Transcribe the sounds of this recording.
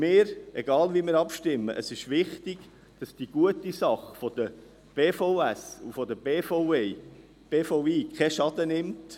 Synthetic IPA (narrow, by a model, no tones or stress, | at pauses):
mɪːɾɛɡɑːlʋimɪːɾɑpʃtɪmːə̰ʔəsɪʃʋɪχtɪɡ̥ | d̥ɑsd̥iɡ̥uətisɑχfɔd̥̪ə | b̥eːfoʊæsufɔd̪əbeːfoʊe | b̥eːfoʊiːkʰɛʃɑd̥̪ənɪmt